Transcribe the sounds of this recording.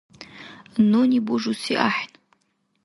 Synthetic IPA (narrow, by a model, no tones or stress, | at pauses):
nonibuʐusiʔa̰ħn